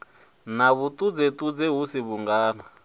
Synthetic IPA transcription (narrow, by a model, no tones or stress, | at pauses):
naβut̪ʼud͡zet̪ʼud͡zeɦusiβuŋɡaːna